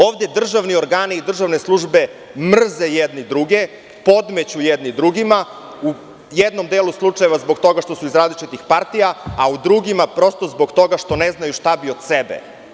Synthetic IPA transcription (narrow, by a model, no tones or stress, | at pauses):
o̞ːʋd̪e̞d̪r̩ʒaʋnio̞ɾɡaːniːd̪r̩ʒaʋne̞slˠuʒbe̞ | mr̩zejed̪nid̪ɾuɡe̞ | po̞d̪met͡ɕujed̪nid̪ɾuɡima | u | jed̪no̞md̪eːluslˠut͡ʂajeʋazbo̞ɡt̪o̞ɡaʃt̪o̞suizɾazlit͡ʃit̪ixpaɾt̪ijaaud̪ɾuɡimapɾo̞st̪o̞zbo̞ɡt̪o̞ɡaʃt̪o̞neznajuʃt̪abio̞d̪sebḛ